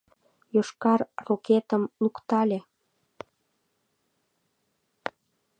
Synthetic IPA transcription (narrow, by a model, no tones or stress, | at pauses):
joʃkɑrroket̪əmlukt̪ɑlʲe